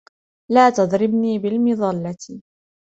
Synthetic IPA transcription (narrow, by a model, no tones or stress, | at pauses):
laːt̪ɑd̪ˤɾɪbniːbɪlmɪðˤɑlːɑt̪